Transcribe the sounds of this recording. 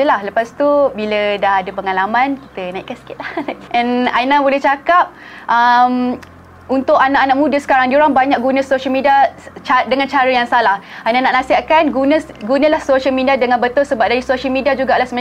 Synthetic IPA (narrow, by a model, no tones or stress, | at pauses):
əlahləpast̪ubilədaɦadəpəŋalamãnki̥t̪ənãḭʔkːansə̥kɪt̪̚lahlaʔɛ̃najnabolɛht͡ʃakap̚ | ʔəm | unt̪ʊkanaʔanaʔ̚mũdəsə̥kaɾaŋdioɾaŋbaɲak̚ɡunə̃soʃəlmidiat͡ʃadəŋant͡ʃaɾəjaŋsalahajnanaʔnasiɦat̪̚kanɡunə | ɡunəlahsoʃəlmĩdiadəŋãnbət̪ʊlsəbap̚daɾisoʃəlmĩdiad͡ʒuɡaʔlahsəmə